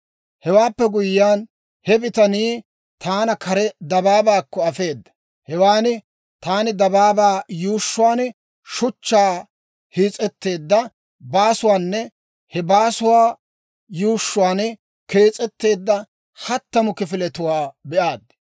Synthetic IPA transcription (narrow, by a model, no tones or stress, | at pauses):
hɛwaːpːɛɡʊjːaːn | hɛbɪt̪ɐniː | t̪ʰaːnɐkʰɐɾɛd̪ɐbaːbaːkːɔɐfe̞ːd̪ːɐ̥ | hɛwaːnɪ | t̪aːnɪd̪ɐbaːbaːjuːʃːʊwaːn | ʃʊt͡ʃːaː | hiːt͡sʼɛt̪ːe̞ːd̪ːɐ | baːsʊwaːnːɛ | hɛbaːsʊwaː | juːʃːʊwaːn | ke̞ːt͡sʼɛt̪ːe̞ːd̪ːɐ | hɐt̪ːɐmʊkɪfɪlɛt̪ʊwaːbɛʔaːd̪